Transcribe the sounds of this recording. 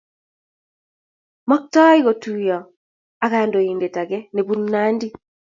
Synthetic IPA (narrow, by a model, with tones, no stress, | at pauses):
mɔ˦k̚tɔ˦i˦ɣo˨tu˦jɔ˨ | a˨ka˦˨ndo˨i˨nde˨ta˨ɡɛ˦ne˨bu˦nna˦ndi˦